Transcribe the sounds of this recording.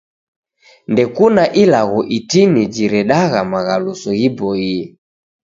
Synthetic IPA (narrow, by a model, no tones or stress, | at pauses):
ndɛkunaʔilaɣɔʔitinid͡ʒiɾɛɗaɣamaɣalusɔɣibɔiɛ